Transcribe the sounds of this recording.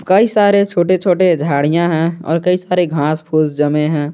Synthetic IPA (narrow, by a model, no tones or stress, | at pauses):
kəisaːɾet͡ʃʰoːʈet͡ʃʰoːʈed͡ʒʱaːɽijãɦɛ̃ɔ̰ːɾkɐisaːɾeɡʱãːspʰuːzd͡ʒəmeɦɛ̃ː